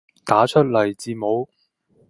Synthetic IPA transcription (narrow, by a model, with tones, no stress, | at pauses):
t̪aː˨˥t͡ʃʰɵ˥t̚lɐ˨˩jt͡siː˧mo˨˥w